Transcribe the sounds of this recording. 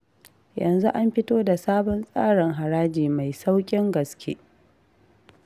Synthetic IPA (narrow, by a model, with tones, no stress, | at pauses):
jɐ˨nzu˦ʔa˦mɸɪ˦toː˦da˨saː˦bɔ˦nsʼaː˦ɽɪ˨ŋɦa˨ɽaː˦d͡ʒiː˨ma˨jsa˦wkʲʼɪ˦ŋɡɐ˨skʲʰḛː˦